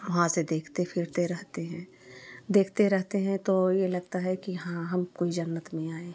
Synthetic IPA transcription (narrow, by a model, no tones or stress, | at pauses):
ʋɐɦãsed̪eːkʰt̪epʰɪɾt̪eɾɛɦt̪eɦɛ̃ː | d̪eːkʰt̪eɾɛɦt̪eɦɛ̃t̪ojelɐɡt̪aɦɛkiɦãɦɐmkoːid͡ʒɐnːət̪mẽaːẽ